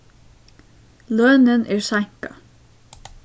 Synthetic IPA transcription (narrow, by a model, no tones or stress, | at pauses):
lœːnənʔæːɹsæŋ̥kɑ̰